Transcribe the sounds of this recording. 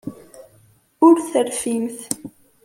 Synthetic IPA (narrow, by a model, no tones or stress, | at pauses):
ʊɾθəɾfimθ